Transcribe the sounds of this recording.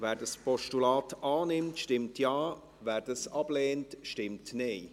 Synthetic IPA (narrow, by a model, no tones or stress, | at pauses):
vɛːɾdɑspɔʃtulaːtɑːnɪmtʃtɪmtʰjaː | væːɾd̥ɑsɑbleːntʃtɪmtneː